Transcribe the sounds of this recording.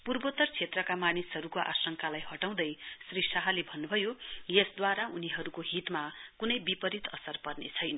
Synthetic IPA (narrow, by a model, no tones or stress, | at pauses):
purbot̪ʌrt͡sʰet̪rʌkamanisɦʌɾukoʔa̰sʌŋkalajɦʌʈaw̃d̪ʌjsrisʰaɦalebʱʌnːubʱʌjojesd̪waɾauniɦʌɾukoɦit̪makunʌjbipʌɾit̪ʌsʌrpʌrnḛt͡sʰʌjnʌ